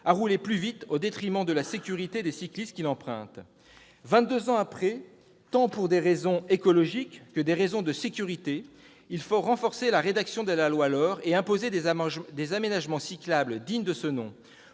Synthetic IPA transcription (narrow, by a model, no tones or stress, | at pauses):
aʁuleplyvit̪od̪et̪χimɑ̃d̪əlasekʲyʁit̪ed̪esiklist̪̚kʲilɑ̃pχɛ̰̃t̪ | vɛ̃t̪̚d̪øzɑ̃apχɛ | t̪ɑ̃puʁd̪eʁezɔ̃ekɔlɔʒikːəd̪eʁezɔ̃d̪əsekʲyʁit̪e | ilfoʁɑ̃fɔʁselaʁed̪aksjɔ̃d̪əlalwalɔʁeɛ̃pozed̪d̪ezamenaʒmɑ̃siklabləd̪iɲd̪əsənɔ̰̃